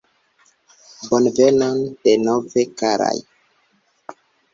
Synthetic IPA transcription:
bonvenond̥enovekaɾa̰j

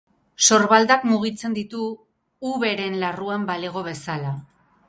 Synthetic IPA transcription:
so̞ɾβald̪akmuɣ̞it͡se̞nd̪it̪uː | βe̞ɾe̞nlaruambaleɣo̞β̞e̞sala

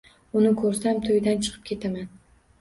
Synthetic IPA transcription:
ʊnɪkʰɵɾsamt̪ʰojd̪ant͡ʃʰɨ̥qʰɨpkʰʲe̞t̪ʰaman

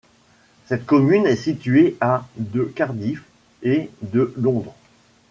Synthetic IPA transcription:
sɛt̪kɔmynɛsit̪ɥead̪əkaʁd̪if | ed̪əlɔ̃d̪ʁ

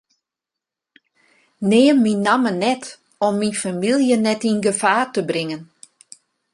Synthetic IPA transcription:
neːmːinamənɛt | ɔmːinfamilˠjənɛtinɡəfaːrtəbrɪŋən

